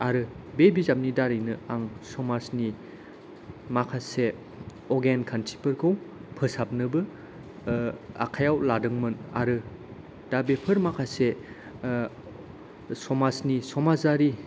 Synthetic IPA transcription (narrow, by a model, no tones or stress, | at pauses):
aɾɯbebizap̚nidaɾɯjnɯaŋsɔmasni | makʰase | ɔɡenkʰantʰi̥pɯɾkʰɯwpʰɯsap̚nɯbɯ | a̰kʰajawladɯŋmɯna̰ɾɯ | d̥abepʰɯɾmakʰase | sɔmasnisɔmazaɾi